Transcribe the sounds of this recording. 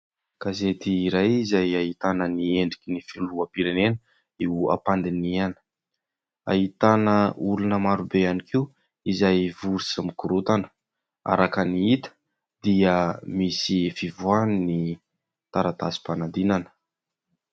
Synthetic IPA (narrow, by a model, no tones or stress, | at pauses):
kazet̪iːɾajizajaɦit̪anənieɳɖ͡ʐikʲinifiluapiɾenenə | eua̰pand̪inianə̥ | a̰ɦit̪anəulunəmaɾubeanikʰiu | izajvuɾisamikuɾut̪anə̥ | a̰ɾakaniit̪ə̥ | d̪̥iəmisifivuanni | t̪aɾat̪azi̥panand̪inanə̥